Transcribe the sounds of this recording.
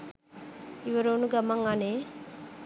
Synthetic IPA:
iʋɐɾoːnuɡɐmaŋane

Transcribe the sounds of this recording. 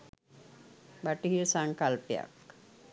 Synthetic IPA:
baʈiɦiɾsaŋkalpeja̰k

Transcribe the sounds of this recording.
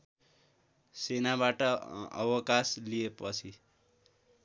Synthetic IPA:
senabaʈʌʌ̰wʌkaslijepʌt͡sʰi

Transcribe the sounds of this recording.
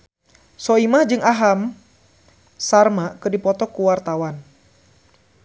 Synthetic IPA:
sɔimahd͡ʒɨŋaɦam | sarmakɨrdipɔt̪ɔkuwart̪awan

